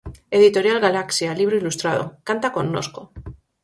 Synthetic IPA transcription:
e̞ðit̪o̞ɾjalɣalaksjaliβ̞ɾoilust̪ɾað̞o̞̰kant̪ako̞nːo̰sko̞

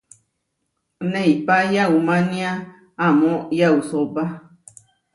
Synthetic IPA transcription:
nẽipajaumãnĩa | amõjausoba

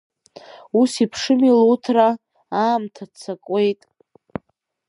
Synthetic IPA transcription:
usipʰʂɨmilutʰra | aːmtʰat͡sʰakʼe̞jtʼ

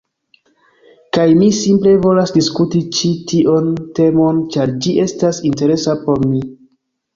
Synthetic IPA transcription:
kajmisimple̞vo̞lasdiskutit͡ʃitiʔo̞nte̞mo̞nt͡ʃaɾd͡ʒiʔe̞stasinte̞ɾe̞sapo̞ɾmi

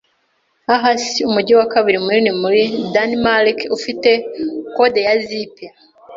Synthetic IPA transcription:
aɦasiumuɟiwakaβiɾimuɾinimuɾidanimalikufite̞kode̞jazipja

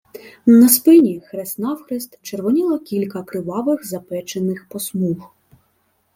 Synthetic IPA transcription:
nɐspɪnʲixɾesnɑwxɾɪst̪t͡ʃerʋɔnʲilˠɔkʲilʲkɐkɾɪʋɑʋɪɣzɐpɛt͡ʃenɪxpɔsmux

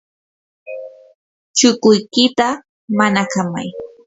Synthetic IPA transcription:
t͡ʃʊkʊjkɪt̪a | manakama̰j

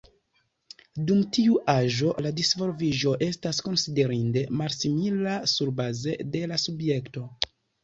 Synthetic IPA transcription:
dumtiuʔaʒo̞ladisvo̞ɾviʒo̞ʔe̞stasko̞nside̞ɾinde̞malsimilasuɾbaze̞de̞lasubje̞kto̞

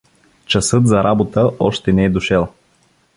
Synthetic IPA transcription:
t͡ʃɐsɤt̪zɐɾʔabot̪əɔʃt̪ɛnɛɛd̪ʊʃɛlˠ

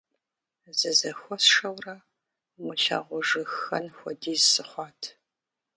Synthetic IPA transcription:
zɨzɐxʷɔsʂɐwrɐ | mʊɬa̰ːʁʷʊʒɨxɐnxʷɔdiːzsɨχʷɑːtʰ

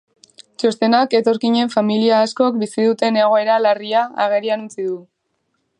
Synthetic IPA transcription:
t͡ʃo̞st̪e̞nake̞t̪o̞ɾkiɲe̞ɱfamiliaːskokbisiðut̪e̞ne̞ɣ̞o̞e̞ɾalariaa̰ɣ̞e̞ɾianut͡siðu

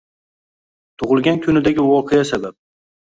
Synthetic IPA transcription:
t̪ʰʊʁɨlˠɡʲankʲʰʊnɪd̪aɡʲɪwɒqʰejasabap̚

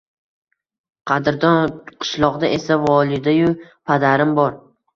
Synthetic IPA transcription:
qʰɑd̪ɪɾd̪ɒnqʰɨ̥ʃlˠɒʁd̪aʔe̞savɒlˠɪd̪ajʊpʰad̪aɾɪmbɒɾ

